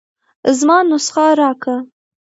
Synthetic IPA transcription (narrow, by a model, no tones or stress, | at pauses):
zmɑnʊsxɑɾɑkə